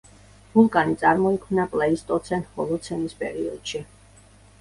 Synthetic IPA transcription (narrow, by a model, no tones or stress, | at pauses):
bulˠkʼanit̪sʼaɾmɔikʰmnapʼlɛist̪ʼɔt̪sʰɛnhɔlˠɔt̪sʰɛnispʼɛɾiɔd̪̥ʃi